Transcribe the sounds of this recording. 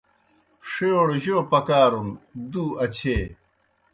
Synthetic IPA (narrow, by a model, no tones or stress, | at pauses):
ʂeoɽʑoːpɐkaːɾund̪uːɐt͡ɕʰeː